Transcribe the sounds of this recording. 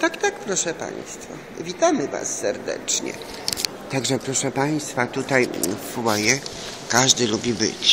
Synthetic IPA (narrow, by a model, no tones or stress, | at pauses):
t̪akt̪akpɾɔʂɛpa̰ɲ̃st̪fa̰ | vʲit̪amɘva̰sːɛɾd̪ɛ̰t͡ʂɲɛ̰ | t̪aɡʐɛpɾɔʂɛpaj̃st̪fat̪ut̪ajfwɔjɛ | kaʐd̪ɘlubʲibɘ̰t͡ɕ